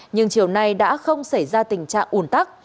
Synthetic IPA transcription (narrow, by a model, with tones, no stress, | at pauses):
ɲɨ˧ŋt͡ɕi˧˩əwna˧jɗa̰ː˧˥xə˧wŋ͡msa˧˩jzaː˧t̪ï˨˩ŋ̟t͡ɕa̰ː˧˨ŋʔu˧˩ənt̪aː˦˥k̚